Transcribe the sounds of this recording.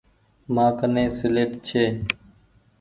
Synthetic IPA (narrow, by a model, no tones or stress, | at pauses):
mãːkənẽːsɪleːʈt͡ʃʰeː